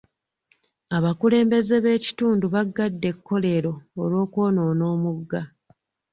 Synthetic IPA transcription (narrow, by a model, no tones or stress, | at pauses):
aβakule̞ːmbe̞ze̞βe̞ːci̥tuːnduβaɡːadːe̞kːo̞le̞ːɾo̞ːlwo̞ːko̞ːno̞ːno̞ːmuɡːa